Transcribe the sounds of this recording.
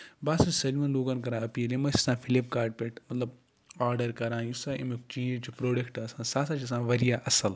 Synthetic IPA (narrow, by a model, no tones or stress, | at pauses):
baːsɐsɐlimɐnloːɡɐnkɐɾãːɐpilemɐsi̥sãːfʰilipkaːɾɖ̚peʈmɐt̪lɐb | aːɾɖɐɾkɐɾãːjusaːʔimikt͡ʃiːt͡ʃipɾoːɖɐkʈaːsãːsaːsãt͡ʃis̬ãːʋɐɾijaːʔɐsɐl